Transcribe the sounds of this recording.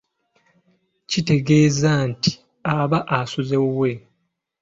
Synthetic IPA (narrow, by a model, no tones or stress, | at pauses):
cite̞ɡe̞ːzanti̥ | aβaʔasuzewe̞